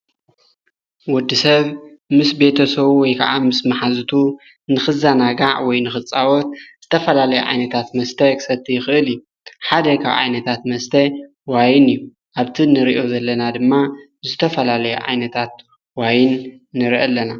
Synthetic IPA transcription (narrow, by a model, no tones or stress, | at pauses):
wɔd̪ːisɐβmɨsbe̞t̪ʰɐsɐβwɔjkʰa̰ʔamɨsmaħazɨt̪ʰu | nɨxɨzanaɡaʕwɔjnɨxɨt͡sʼːawɔt̪̚z̥ɨt̪ʰɐfɐlalɐjuʕa̰jnɐt̪ʰat̪mɐst̪ʰɐkʰɨ̥sɐt̪ʰːijɪxɨʔɨlɨjːu | ħad̪ɐkʰa̰βʕa̰jnɐt̪ʰat̪mɐst̪ʰɐ | wajɪnɨjːu | ʔaβt̪ʰinɨɾiʔo̞zɐlːɐnad̪ɨmːa | zɨt̪ʰɐfɐlalɐjṵʕa̰jnɐt̪ʰat̪̚ | wajɪnː | ɨɾiʔɐlːɐna